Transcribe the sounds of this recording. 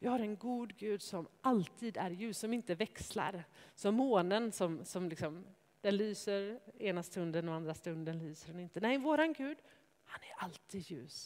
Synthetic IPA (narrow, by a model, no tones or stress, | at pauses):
vɪhaɾɛnɡuːd̪ɡʉ̟ːd̪sɔmʔalt̪ʰiːd̪æɾjʉ̟ːsːɔmɪnt̪əvɛksla̰ɾsɔmːoːnənsɔmsɔmlɪksɔm | d̪̥ɛnlyːsəɾeːnast̪ɵnd̪ənɔand̪ɾast̪ɵnd̪ənlyːsəɖɛnɪnt̪ənɛjvoːɾanɡʉ̟ːd̪ | hanæɾalt̪ʰiːd̪jʉ̟̰ːs